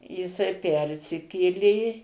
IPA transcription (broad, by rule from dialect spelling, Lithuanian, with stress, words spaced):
jɪˈsɐɪ ˈpʲɛrʲsʲɪkʲeːlʲeː